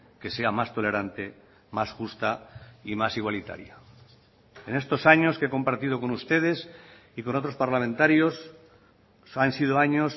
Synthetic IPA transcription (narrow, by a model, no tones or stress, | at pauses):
ke̞se̞amast̪o̞le̞ɾant̪e̞ | masxust̪aimasiɣwalit̪a̰ɾja | e̞ne̞st̪o̞saɲo̞skeko̞mpaɾt̪ið̞o̞ko̞nust̪e̞ð̞e̞s | iko̞no̞t̪ɾo̞spaɾlamẽnt̪aɾjo̞s | ansið̞oaɲos